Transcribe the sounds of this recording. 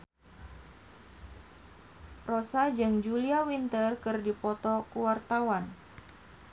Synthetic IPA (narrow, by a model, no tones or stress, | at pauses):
rosad͡ʒɨŋd͡ʒuliawint̪ərkɨrdipɔt̪ɔkuwart̪awan